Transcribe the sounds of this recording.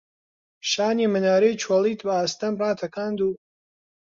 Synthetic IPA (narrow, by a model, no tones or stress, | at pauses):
ʃaːniːmɨnaːɾejt͡ʃʰwɐlˠiːt̪bɐaːst̪ɐmrɑːt̪ʰɐkaːnd̪uː